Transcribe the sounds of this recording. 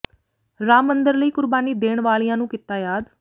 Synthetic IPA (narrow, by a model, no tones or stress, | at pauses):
ɾaːmənd̪əɾləiːkʊɾbaːniːd̪eːɳʋaːlijãːnũːkɪt̪aːjaːd̪